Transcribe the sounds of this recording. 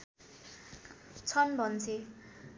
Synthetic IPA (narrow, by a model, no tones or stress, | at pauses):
t͡sʰʌnbʱʌnt͡sʰe